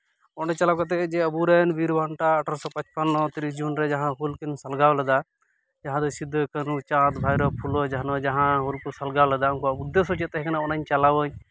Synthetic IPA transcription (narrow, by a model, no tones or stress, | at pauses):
ɔnɛt͡ʃalawkat̪̬ɛd͡ʒɛəbuɾɛnbiɾbaɳʈaːʈəɾsɔpɐt͡ʃpənːɔt̪iɾid͡ʒunɾɛd͡ʒaɦãɦulkinsɐlɡawlɛd̪a | d͡ʒaɦãd̪ɔsid̪ʱːkənut͡ʃad̪bʱajɾɔpʰulɔd͡ʒaɦnɔd͡ʒaɦãɦulkusɐlɡawlɛd̪aʊnkɔud̪ːəsɔt͡ʃɛt̪ːɛɦɛkɐnaɔnaɲt͡ʃalawəɲ